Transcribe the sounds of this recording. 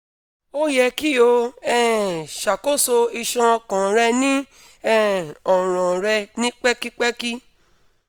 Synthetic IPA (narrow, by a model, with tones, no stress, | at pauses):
o˦jɛ˧ki˦o˧ɛ˦˨ʃa˨ko˦so˧i˧ʃã˧kã˨ɾɛ˧nĩ˦ | ɛ˦˨ɔ˨ɾ̃ɔ̃˨ɾɛ˧nĩ˦k͡pɛ˦ki˦k͡pɛ˦ki˦